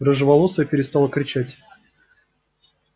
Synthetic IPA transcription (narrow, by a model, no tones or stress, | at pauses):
rəʐɨvɐlˠosʲapʲɪɾʲɪst̪ɑlˠəkɾʲɪt͡ɕætʲ